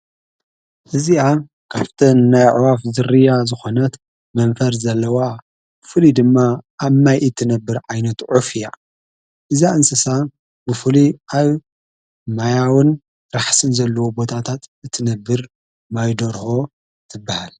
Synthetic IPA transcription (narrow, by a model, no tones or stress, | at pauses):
ʔɨzia | kʰaft̪ʰɐnːajʕwafzɨrɨjazɨxo̞nɐt̪ | mɐɱfɐɾzɐlːɐwa | b̥ɨfɨlid̪ɨmːaʔːβmajʔɨt̪ʰːɨnɐbːɨɾʕajnɐt̪ʕufɨja | ʔɨzaʔɨnsɨsa | bɨfɨliʔaβ | majawɨn | ɾaħsɨnzɐlːɐwobo̞t̪ʰat̪ʰat̪ɨt̪ʰːɨnɐbːɨɾ | majd̪oɾho̞ | t̪ʰɨbːahal